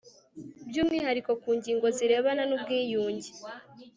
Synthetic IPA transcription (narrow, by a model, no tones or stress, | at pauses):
bjuːmihaɾiko̞kuːɲɟiːŋɡo̞ziɾe̞ːβananub̚ɡiːjuːɲɟi